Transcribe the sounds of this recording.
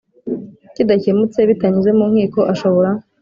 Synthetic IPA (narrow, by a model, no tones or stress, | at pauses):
cidacemut͡se̞βitaɲizemuːŋ̥iːko̞ʔaʃo̞βoɾa